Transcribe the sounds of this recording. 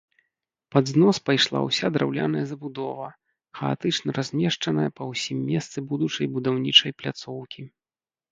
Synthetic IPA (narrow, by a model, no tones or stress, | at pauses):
pad̪znɔspajʂlˠa̰wsʲad̪ɾʔawlʲa̰n̪ɐjɐzɐbud̪ɔvɐ | xɐa̰t̪ɨt͡ʂnɐɾazʲmʲɛʂt͡ʂɐnɐjɐpɐwsʲimːʲɛst̪sɨbud̪ut͡ʂɐjbud̪awnʲit͡ʂɐjplʲat̪sɔwkʲi